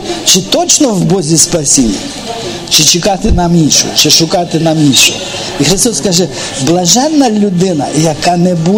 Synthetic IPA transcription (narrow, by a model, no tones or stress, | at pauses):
t͡ʃɪt̪ɔt͡ʃnɔwbɔzʲispɐsʲinʲːɐ̰ | t͡ʃɪt͡ʃɪkɑt̪ɪnɑminʲʃʊ̰t͡ʃɪʃʊkɑt̪ɪnɑminʲʃʊ̰ | ixɾɪst̪ɔskɑʒɛ | blˠɐʒɛnːɐlʲʊd̪ɪnɐ̰jɐkɑnɛbu